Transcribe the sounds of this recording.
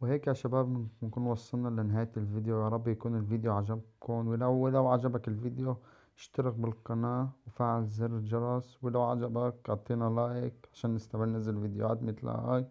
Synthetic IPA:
wheːkːaʃabaːbɪmɪnkuːnwɑsˤːɨlnɑlanɪɦaːjt̪ɪlviːd̪jojɑɾˤɑbːjakuːnɪlviːd̪joʕaʒab̚kʰonwɪlawɪlawʕad͡ʒabakɪlviːd̪jo | ʃt̪ɪɾɪɣbɪlqɑnaːwfaːʕalzɪrʒɑɾˤɑswɪlawʕa̰d͡ʒabakɑt̪ˤːiːnalaːjɪkʕaʃaːnːɪst̪amɪlnazalvid̪jo̰a̰ːt̪mɪt̪la̰ha̰ːj

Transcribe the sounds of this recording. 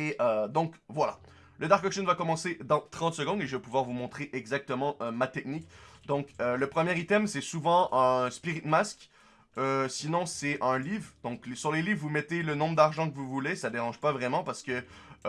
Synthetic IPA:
eʔød̪ɔ̃kvwala | ləd̪aʁkɔkʃənvakɔmɑ̃sed̪ɑ̃t̪χɑ̃t̪səɡɔ̃d̪eʒəvɛpuvwaʁvumɔ̃t̪χeʔɛɡzak̚t̪əmɑ̃ʔømat̪ɛknikd̪ɔ̃køləpχəmjɛʁit̪ɛmsɛsuvɑ̃ʔɛ̃spiʁit̪mask | øsinɔ̃sɛɛ̃livʁd̪ɔ̃klsyʁlelivːumɛt̪elənɔ̃bʁəd̪aʁʒɑ̃k̬əvuvulesad̪eʁɑ̃ʒpavʁɛmɑ̃paʁsə̥kə

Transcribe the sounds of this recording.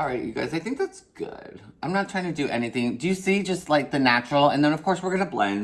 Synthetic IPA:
ɹaɪʔjɨ̰ɡa̰ɪzaɪθɪ̃ŋk̚ðætsɡ̥ʊ̰d̥ãɪ̃mnətʰɹ̥aɪɪ̃ŋtʰɨdɨʔɛ̰niθɪ̃ŋdɨjɨsid͡ʒʌstˡlaɪk̚ðɨnæt͡ʃɹl̩ˠə̃nðɨ̃nʌv̥kʰɔɹswɨɹɡʌnəblɛ̰̃n

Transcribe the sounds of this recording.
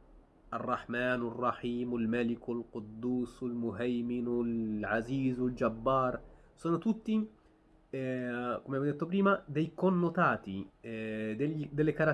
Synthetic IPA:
ʔɑrˤːɑħmaːnwɪrˤːɑħiːmwɪlmælɪkwɪlqʊd̪ːuːswɪlmʊɦajmɪnwɪʕaziːzwɪld͡ʒabːɑːɾˤ | sanat̪ut̪ːi | kumːamd̪et̪ːopɾiːmad̪æjkuːnːʊt̪aːt̪i | d̪d̪alːikɑɾˤɑ

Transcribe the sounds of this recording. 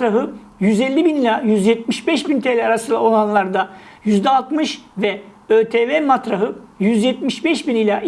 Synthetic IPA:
ɾaɦɯ | jyzɛlʲːibinilʲajyzjɛt̪̚miʃbɛʃbint̪ʰelʲɛaɾasɯnd̪a̰onanlˠaɾd̪ajyzd̪ɛalˠt̪mɯʃvɛ | øːt̪ʰeːvɛːmat̪ɾaɦɯjyzjɛt̪̚miʃbɛʃbinilʲaʔ

